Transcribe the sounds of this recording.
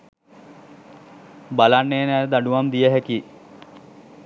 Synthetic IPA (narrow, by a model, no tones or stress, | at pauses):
balanːeːnæːd̪aɖuʋamd̪ijəɦæki